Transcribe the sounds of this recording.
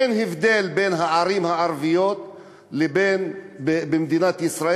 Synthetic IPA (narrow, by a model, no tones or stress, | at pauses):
enɦivd̪elbenɦaʕaɾimhaaɾvijo̞t̪ | lebenbebemd̪inat̪isɾa